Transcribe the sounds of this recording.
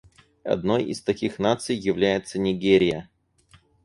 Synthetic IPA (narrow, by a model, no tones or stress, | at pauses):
ɐ̰d̪no̞jɪ̰st̪ɐkʲixnat̪sɨjːɪvlʲæjɪt̪sənʲɪɡʲeɾʲɪjə